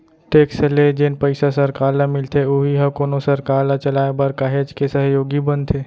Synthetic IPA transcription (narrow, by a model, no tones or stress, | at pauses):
ʈeːkseled͡ʒenpəɪsasɐɾkaːɾnamɪlt̪ʰeoɦiɦɐkoːnosɐɾkaːɾnat͡ʃɐlaːebɐɾkaːɦeːd͡ʒkesəɦjoːɡibənt̪ʰeː